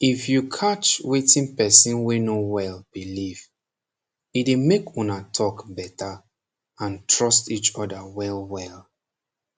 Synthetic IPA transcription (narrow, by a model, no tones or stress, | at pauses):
ifjukʰat͡ʃwetĩnpɛsĩnwenowɛlb̥iliv | idemekɔ̃natʰɔkbɛtʰa | ãntɹɔstit͡ʃɔdawɛlwɛl